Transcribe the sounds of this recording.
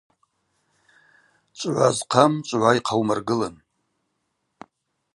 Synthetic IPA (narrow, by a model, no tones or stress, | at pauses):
t͡ʃʷʼʕʷazqʰamt͡ʃʷʼʕʷaiqʰawmarɡɨlan